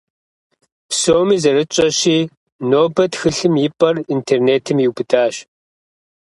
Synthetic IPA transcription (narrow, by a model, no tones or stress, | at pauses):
psoːmiːzɐrɨt͡ʃʼɐɕiː | noːbɐtxɨɬɨmjɪpʼɐrintʰeːrneːtʰɨmjiwbɨtʰaːɕ